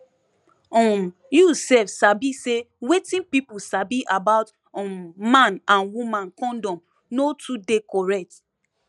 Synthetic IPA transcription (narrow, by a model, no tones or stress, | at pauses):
ɔ̃m | jusɛfsabisewetĩnpipusabiʔabaʊt | mmãnãnwumãnkɔ̃ndɔ̃m | notʰudekɔɹɛk̚t